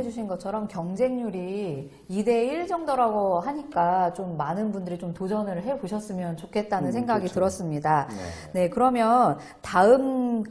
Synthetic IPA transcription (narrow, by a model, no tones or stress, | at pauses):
ed͡ʑuɕʰinɡʌt͡ɕʰʌɾʌmkjʌŋd͡ʑe̞ŋɲuɾi | ide̞iɭd͡ʑʌŋdoɾaɡoɦaɲik͈at͡ɕomːanɯnbundɯɾit͡ɕomtod͡ʑʌnɯɭɦe̞boɕʰʌs͈ɯmjʌnt͡ɕokʰe̞t̚t͈anɯnsʰe̞ŋɡaɡitɯɾʌs͈ɯmɲida | ne̞kɯɾʌmjʌn | taɯm